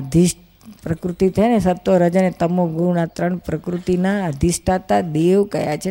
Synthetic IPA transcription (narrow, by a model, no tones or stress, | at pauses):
d̪ʱisʈ | pɾəkɾut̪it̪ʰəjnesət̪ːoɾəd͡ʒanet̪əmoɡuɾnat̪ɾəɳpɾəkɾut̪inaəd̪ʱisʈat̪ad̪eʋkəjat͡ʃʰe